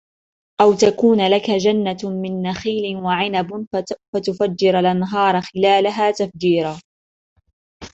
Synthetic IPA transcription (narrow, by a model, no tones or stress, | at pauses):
ʔawt̪akuːnlakad͡ʒanːamɪnːaxiːlɪwaʕɪnabfat̪ʊfad͡ʒːɪɾalʔanɦɑːɾˤɑxɪlaːlaɦaːt̪afd͡ʒiːɾaː